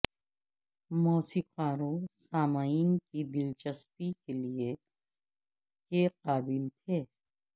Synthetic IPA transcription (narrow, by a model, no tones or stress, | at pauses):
mɔːsiːqaːɾõsaːmaːiːnkid̪ɪlt͡ʃɐspikelie | keqaːbilt̪ʰeː